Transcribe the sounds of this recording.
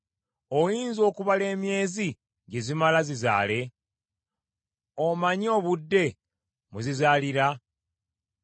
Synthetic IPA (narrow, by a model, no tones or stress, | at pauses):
ojiːnzo̞ːkuβale̞ːmje̞ːzi | ɟe̞zimalaziza̰ːle̞ | omaɲo̞ːβudːe̞ | muzizaːliɾa